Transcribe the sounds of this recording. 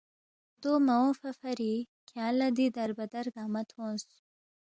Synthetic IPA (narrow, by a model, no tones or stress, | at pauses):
d̪̥omawõfafaɾi | kʰjɑlad̪id̪aɾbad̪aɾɡɑːmat̪õs